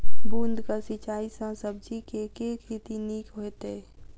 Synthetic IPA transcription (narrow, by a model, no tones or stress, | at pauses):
buːnd̪ʱkasɪt͡ʃaːisãsəb̚d͡ʒikekekit̪iniːkɦoet̪eː